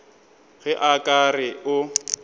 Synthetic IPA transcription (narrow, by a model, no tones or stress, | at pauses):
ɣɛʔakʼarɪʊ